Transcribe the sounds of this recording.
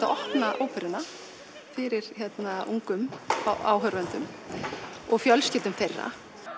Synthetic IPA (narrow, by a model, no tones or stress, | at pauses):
aʔɔhpnaʔowpʰɛɾɪna | fɪɾɪɾ̥çɛt̪nauŋkʏma̰ːwɦœɾvɛnt̪ʏ̰m | ɔɣfjœlscɪːlt̪ʏmθejrːa̰